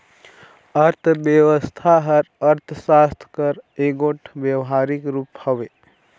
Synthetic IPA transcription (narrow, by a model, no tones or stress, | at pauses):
əɾt̪ʰbjəwəst̪ʰaɦəɾəɾt̪ʰsast̪ʰkəɾeɡoʈʰbjəwɦaɾikɾuːphəʋe